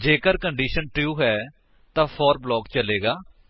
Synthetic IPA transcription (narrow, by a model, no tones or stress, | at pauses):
d͡ʒeːkəɾkəɳɖiːʃənʈjuːɦɛː | t̪ãːpʰɔːɾblɔːkt͡ʃəleːɡaː